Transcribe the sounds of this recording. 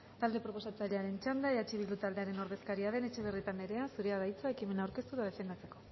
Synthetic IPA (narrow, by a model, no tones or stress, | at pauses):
t̪ald̪e̞pɾo̞po̞sat͡saʎeaɾe̞nt͡ʃand̪aeðat͡ʃiβild̪ut̪ald̪e̞aɾe̞no̞ɾðe̞skaɾiaðe̞ne̞t͡ʃe̞β̞e̞rit̪ane̞ɾe̞asuɾe̞aðajt͡suaekime̞nawɾke̞st̪uðaðe̞fe̞nd̪at͡se̞ko̞